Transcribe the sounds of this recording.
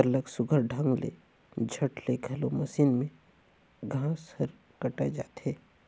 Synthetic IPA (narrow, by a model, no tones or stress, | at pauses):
əɾləksʊɡʱəɾɖʱə̃ŋɡlḛ | d͡ʒʱɐʈleɡʱɐlomɐsiːnmẽ | ɡʱãːsəɾ | kɐʈad͡ʒa̰ːt̪eː